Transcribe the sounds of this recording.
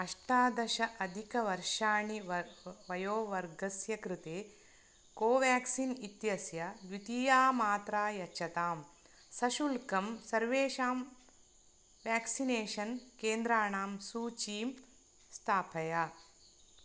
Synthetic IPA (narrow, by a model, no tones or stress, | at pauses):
ɐʂʈaːd̪ɐʃɐʔɐd̪ʱikɐʋɐɾʂaːɳiʋɐjoːʋɐɾɡɐsjɐkɾit̪eː | koːʋaːksinit̪jɐsjɐʋit̪iːjaːmaːt̪ɾaːjɐːt͡ʃʰɐt̪aːm | sɐʃulkɐmsɐɾʋeːʃaːm | ʋaːksineːʃɐnkeːnd̪ɾaːɳaːmsuːt͡ʃiːm | st̪ʰaːpʰɐjaː